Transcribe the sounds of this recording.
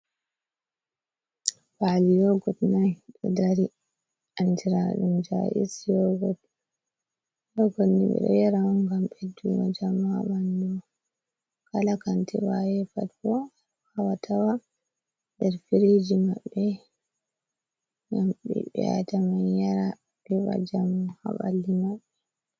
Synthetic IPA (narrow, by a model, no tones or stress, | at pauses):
falijɔɡɔtnajɗɔ̰daɾi | ʔantiɾa̰ɗumd͡ʒa̰ʔḭsjɔɡɔt | jɔɡɔtnḭɓɛ̰ɗɔ̰jaɾawaŋɡamɓedːṵwa̰d͡ʒamaɓandɔ | kalakantʰɛ̰wajɛfatkɔ | hawatʰawa | dɛɾfiɾed͡ʒimaɓːɛ | ɡamɓɛ̰ɓɛ̰a̰tamanjaɾa | kɛba̰d͡ʒamha̰ɓa̰lːimaɓːɛ